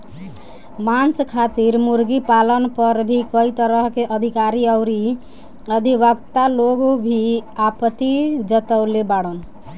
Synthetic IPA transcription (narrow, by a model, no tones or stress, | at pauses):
manskʰat̪iɾmuɾɡipalənpəɾbʱikəit̪əɾəɦkeʔəd̪ʱikaɾiəʊɾi | əd̪ʱibəɡt̪aloɡobʱiapət̪id͡ʒət̪əwlebaɽən